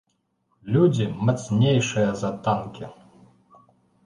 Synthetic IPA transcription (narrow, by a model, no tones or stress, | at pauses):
lʲud͡zʲimat̪snʲejʂɨjɐzɐt̪ankʲi